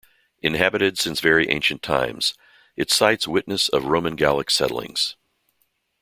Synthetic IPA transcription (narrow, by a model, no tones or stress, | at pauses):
ʔɨ̃nɦæbɨɾɨdsɪ̃nsvɛɹiʔḛ̃ɪ̃nʃɨ̃n̩tʰã̰ɪ̃mz̥ | ɨtsaɪtswɪtⁿnɨsʌ̰vɹõʊmɨ̃nɡælˠəksɛ̰ɾl̩ˠɪ̰̃ŋz̥